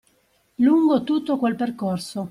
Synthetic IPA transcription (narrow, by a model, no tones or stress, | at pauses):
luŋɡot̪ut̪ːokwelperkorso